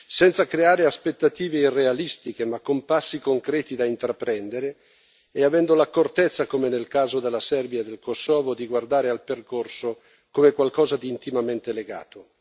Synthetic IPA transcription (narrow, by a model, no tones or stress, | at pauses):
sɛnt̪sakɾeaːɾeaspet̪ːat̪iːveirːealist̪ik̟emakːompasːikoŋkɾɛːt̪id̪aint̪ɾapːɾɛnd̪eɾeː | avɛnd̪olakort̪et̪sːakomenelkaːzod̪elːasɛrbjaed̪ːelkosːɔːvod̪iɡward̪aːɾealperkorso | komekwalkɔːzad̪iːnt̪imament̪eleɡa̰ːt̪o